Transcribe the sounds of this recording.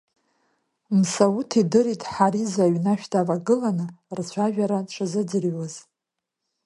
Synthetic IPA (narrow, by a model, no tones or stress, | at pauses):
msawutʰidɨɾitʼħaɾizaɥnaʃᶣdʰʼavaɡɨlanɨrt͡ɕʷʰaʒᶣaɾaʈ͡ʂʷʰazɨd͡zɨrɥaz